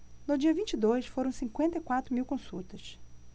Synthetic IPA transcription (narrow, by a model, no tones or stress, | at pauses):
nʊd͡ʒiɐvĩnt͡ʃid̪ojsfoɾɐ̃w̃sĩŋkwẽnt̪ɐikwat̪ɾʊmiwkõsut̪ɐs